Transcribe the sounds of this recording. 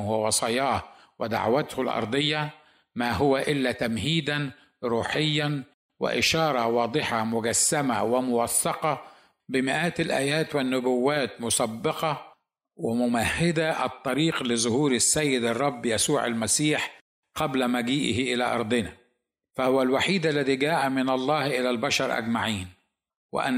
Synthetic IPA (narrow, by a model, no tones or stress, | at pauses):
hʊwwɑsˤɑːjɑːh | wɪd̪a̰ʕwat̪hʊlʔɑ̰ɾˤd̪ˤɨjːɑ | maːɦʊwaʔɪlːat̪amhiːd̪an | ɾuːħɪjːan | wɪ̰ʔɪʃɑːɾˤɑwɑːd̪ˤɨħɑmʊɡæsːama̰wɪmʊwɑθːɑqɑ | bɪmɪʔaːt̪ɪlʔæːjæːt̪wɪnːʊbʊwːaːt̪mʊsˤɑbːɑqɑ | wɪmʊmahːɪd̪aʔɑ̰t̪ˤːɑɾiːqlɪzʊhuːɾɪsːajːɪd̪ɑrˤːɑbːjasuːʕa̰lmasiːħ | qɑblamaɡiːʔɪhɪʔɪla̰ʔɑ̰ɾˤd̪ˤɪna | fahʊwalwaħiːd̪alːaðiːɡæːʔamɪnɑlˤːɑːhʔɪlalbaʃɑɾˤʔa̰ɡmaʕiːn | wɪ̰ʔa̰n